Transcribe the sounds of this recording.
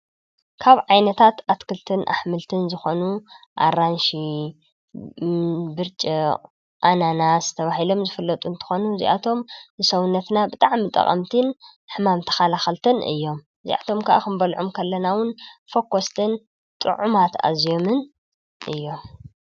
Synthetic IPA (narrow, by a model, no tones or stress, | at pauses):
kʰaβʕajnɐt̪ʰat̪at̪kʰɨlt̪ʰɨnʔa̰ħmɨlt̪ʰɨnzɨxonuʔa̰ɾanʃi | bɨɾt͡ʃʼi | ʔananazɨt̪ʰɐβahilo̞mzɨfɨlːɐt̪ʼunt̪ʰɨ̥xonuzḭʔat̪ʰo̞mnɨsɐwunːɐt̪nabɨt̪ʼaʕmit̪ʼɐ̰qʼɐ̰mt̪ʰɨnħɨmamt̪ʰɐ̥xalaxɐlt̪ʰɨnʔɨ̰jːo̞m | zḭʔa̰t̪ʰo̞mkʰaʔakɨmbɐlʕumkʰɐlːɐnawʊnfokʰːost̪ʰɨn | t̪ʼɨ̰ʕumat̪a̰zjo̞mɨn | ʔɨ̰jːo̞m